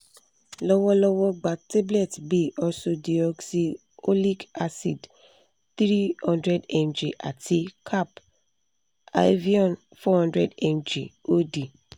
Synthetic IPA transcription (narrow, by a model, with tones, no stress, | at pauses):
lɔ˦wɔ˦lɔ˦wɔ˦ɡ͡ba˨te˦blɛ˦˨tbi˦˨ʔɔ˦so˦di˨ɔ˦ksi˦ | o˦li˦ɡa˦si˨d | θɾi˦hɔ̃˦ndɹɛ˦dɛ̃˨md͡ʒi˨ʔa̰˨tʰi˦kʰa˦˨p | a̰˨˦vi˦ɔ̃˨n | fɔ˦hɔ̃˦ndɹɛ˦dɛ̃˨md͡ʒḭ˨o˦di˨